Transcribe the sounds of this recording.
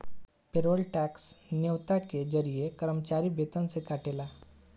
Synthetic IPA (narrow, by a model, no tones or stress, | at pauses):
peɾoːlʈɛksneʋt̪aked͡ʒəɾijekəɾəmət͡ʃaːɾibet̪ənsekaːʈela